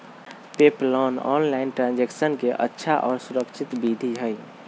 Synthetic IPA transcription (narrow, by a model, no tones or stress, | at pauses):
peplɔnɔ̰nlaɪnʈɾãnd͡ʒeksənkeʔə̰tːʃʰaʔɔːɾsuɾəkʃʰit̪bid̪ʱiɦəj